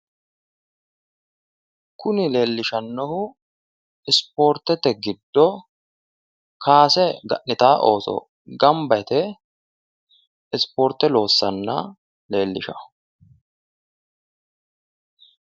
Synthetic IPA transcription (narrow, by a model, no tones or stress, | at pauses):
kʊnɪle̞ːlːɪʃɐnːɔhʊ | ɪspoːɾt̪ɛt̪ːɛɡɪd̪ːɔ | kʰaːsɛɡɐ̰ʔnɪt̪aːʔo̞ːsɔ̰ | ɡɐmbɐɛt̪ɛ | ɪspoːɾt̪ːɛlo̞ːsːɐnːɐ̰ | le̞ːlːɪ̰ʃɐ